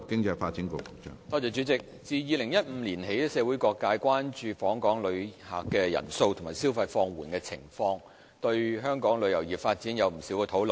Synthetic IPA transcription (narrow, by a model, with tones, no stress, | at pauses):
kɪ˥ŋt͡sɐ˧jfa̰ː˧t̚t͡si˨˥nko˨˧kʊ˨˧t͡ʃœ̰ː˧˥ŋt̪ɔː˧t͡sɛː˨˧t͡ʃy˨˧˥t͡sɪ˨k̚t͡siː˨˧jiː˨˧lɪ˨˩ŋjɐ˥t̚m̩˨˧˥liː˨˩nɦe˨˥jt̪ɛ˥sɛː˨˧wu˨˥jkʷɔː˧kːaː˧jkʷaː˥nt͡ʃyː˧fɔː˨˥ŋkɔː˨˥ŋlɵ˨˧ɥha̰ː˨kːɛː˧jɐ̰˨˩nso˧wtʰʊ˨˩maː˨˩jsi˥wfɐ˧jfɔː˧ŋwuː˨˩nkɛː˧t͡sʰɪ̰˨˩ŋfɔː˧ŋ | t̪ɵ˧ɥɦœː˥ŋkɔː˨˥ŋlɵ˨˧ɥjɐ˨˩wjiː˨˩p̚faː˧t̚t͡siː˨˥njɐ˨˧wm̩˨˩si˨˥wkɛː˧t̪ʰo˨˥wln